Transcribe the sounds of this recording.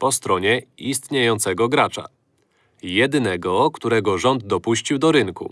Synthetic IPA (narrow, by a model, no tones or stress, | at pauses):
pɔst̪ɾɔɲɛist̪ɲejɔnt̪sɛɡɔɡɾat͡ʂa̰ | jɛd̪nɛɡɔkt̪uɾɛɡɔʐɔnd̪d̪ɔpuɕt͡ɕiwd̪ɔɾɘŋkṵ